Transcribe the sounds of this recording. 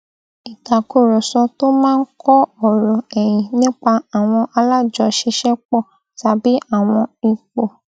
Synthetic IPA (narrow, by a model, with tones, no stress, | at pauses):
i˨ta˨ku˦˨ɾɔ˨sɔ˧to˦mãː˦˧n̩˦kʰɔ˦ɔ˦˨ɾɔ˨ɛ˨j̃ĩ˨nĩ˦k͡pa˧a˨w̃ɔ̃˧ʔa˧la˦˨d͡ʒɔ˧ʃi˧ʃɛ˦k͡pɔ˦˨ | ta˨bi˨˦a˦˨w̃ɔ̃˧i˨k͡po˨